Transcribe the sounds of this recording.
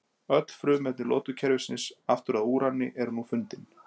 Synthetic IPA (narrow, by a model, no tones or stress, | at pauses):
œt̪l̥fɾʏːmɛt̪nɪlɔ̰ːt̪ʏcʰɛɾvɪsɪnsaft̪ʏɾaðuːɾanːɪ̰ʔɛɾnufʏnt̪ɪn